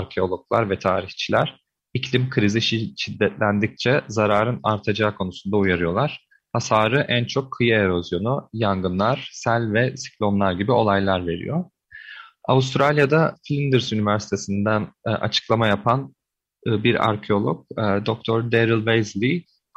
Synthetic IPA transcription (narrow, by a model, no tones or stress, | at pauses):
aɾcʰeo̞lˠo̞k̚lˠaɾvɛt̪ʰaːɾiçt͡ʃʰilʲæɾ̥ | icʰlʲimkʰɯɾiziʃiʃid̪ːɛt̪lʲænd̪ic̚t͡ʃʰɛzaɾaːɾɯnaɾt̪ʰad͡ʒaːkʰo̞nusund̪aujaɾɯjo̞lˠaɾ̥ | hasaːɾɯʔænt͡ʃʰo̞kʰːɯjae̞ɾo̞zjo̞nujaŋɡɯnlˠaɾ̥sælʲvɛsi̥klʲo̞nlˠaɾɟibio̞lˠajlˠaɾve̞ɾḭjo̞ | a̰ust̪ɾalʲjad̪aflʲind̪ɯɾsynivæɾsi̥t̪ʰe̞sind̪ænʔa̰t͡ʃʰɯ̥klˠamajapʰan | biɾa̰ɾcʰeo̞lˠok̚ːd̪ok̚t̪ʰoɾd̪eɾilˠvejzlʲi